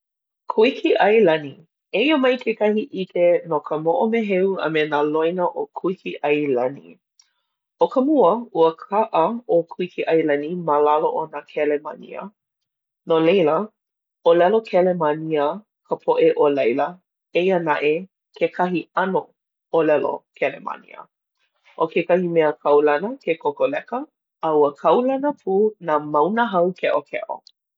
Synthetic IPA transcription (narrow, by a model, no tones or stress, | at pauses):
kʰuikʰiʔɐjlɐni | eiəmɐjkʰekɐhiʔikenokʰəmoʔomeɦeuɐ̰menalojnəʔokʰuikʰiʔɐjlɐnḭ | okʰəmuəuəkʰaʔəokʰuikʰiʔɐjlɐniməlaloʔonakʰɛlema̰nḭə̰ | nolejlə | olɛlokʰɛlemaniə | kʰəpʰoʔeʔolɐjlə | ejənaʔe | kʰekʰɐɦiɐno | olɛlo̰kʰɛlema̰nḭə̰ | ʔokekɐhimɛəkʰɐwlɐnəkʰekʰokolɛkəː | uəkʰɐwlɐnəpʰuːnamɐwnəɦɐwkʰɛʔokʰɛ̰ʔo̰